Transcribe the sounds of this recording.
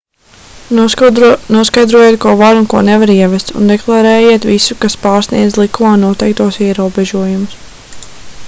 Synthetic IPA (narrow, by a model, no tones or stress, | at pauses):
nuɔskajd̪ɾuɔjeːt̪̚kuɔvaɾunkuɔnevaɾiɛvɛst̪ṵnd̪ɛklˠaɾɛːjeːt̪visukaspaːɾsnḭɛd̪zlˠikumaːnuɔt̪ɛjk̚t̪uɔsiɛɾuɔbɛʒuɔjumʊs